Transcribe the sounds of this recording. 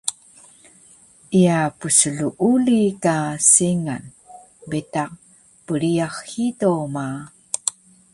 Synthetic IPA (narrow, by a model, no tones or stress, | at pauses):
ʔijapusəɮuʔulikaseŋa̰n | betaq | pəɾiaxːitoma